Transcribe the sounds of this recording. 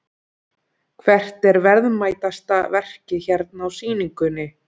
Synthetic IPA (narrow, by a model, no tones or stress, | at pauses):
kʰvɛr̥t̪ɛɾvɛɾðmaːjt̪ast̪avɛr̥cɪçɛɾt̪̚nawsiːniŋkʏnɪ